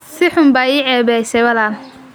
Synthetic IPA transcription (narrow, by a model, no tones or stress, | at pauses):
sɪħʊmbaːiːʕɛːβɛjsɛjwɐlaːl